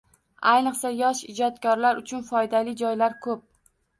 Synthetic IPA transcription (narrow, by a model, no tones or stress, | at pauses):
ajnɨqsajɒʃɪd͡ʒɒt̪kʲʰɒɾlaɾʊt͡ʃʰʊnfɒjd̪alɪd͡ʒɒjlaɾkʰɵp̚